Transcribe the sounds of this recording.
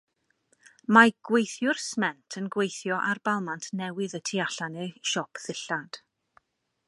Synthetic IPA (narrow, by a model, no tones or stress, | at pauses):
maɡ̥wejθjʊrsmɛntʰənɡwejθjɔʔarbalˠmantʰnɛwɨðətʰiaɬanɨʃɔpʰðɪɬad̥